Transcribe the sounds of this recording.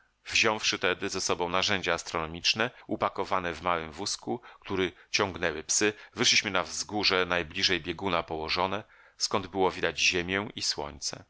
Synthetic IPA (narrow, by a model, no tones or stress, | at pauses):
vʑɔ̃w̃fʂɘt̪ɛd̪ɘzɛsɔbɔ̃w̃naʐɛɲd͡ʑaːst̪ɾɔnɔmʲit͡ʂnɛʔupakɔvanɛvmawɘmvuskukt̪uɾɘt͡ɕɔ̃ŋɡnɛwɘpsɘvɘʂlʲiɕmɘnavzɡuʐɛnajblʲiʐɛjbʲjɛɡunapɔwɔʐɔnɛ | skɔnd̪bɘwɔvʲid̪ad͡ʑʑemʲjɛiswɔ̰ɲt̪sɛ̰